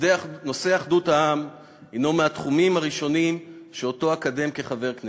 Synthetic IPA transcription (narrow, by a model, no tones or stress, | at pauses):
no̞se̞aχd̪uthaam | ino̞meat̪χumimaʁiʃo̞nimʃeo̞to̞akade̞mke̞χave̞ʁkne